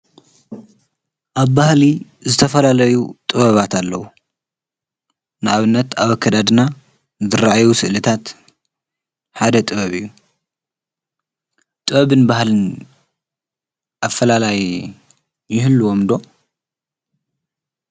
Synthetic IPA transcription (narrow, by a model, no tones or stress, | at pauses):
ʔaβbahli | zɨt̪ʰɐfɐlalɐjut̪ʼɨβɐβat̪ʰalːɐwu | nɨaβɨnːɐt̪aβɐkʰːɐd̪ad̪ɨna | zɨɾaʕajusɨʔlɨt̪ʰat̪ | ħad̪ɐt̪ʼɨβɐβɨjːu | t̪ʼɨβɐβɨnbahlɨn | ʔafːɐlalajː | ɪhɨlːuomd̪o̞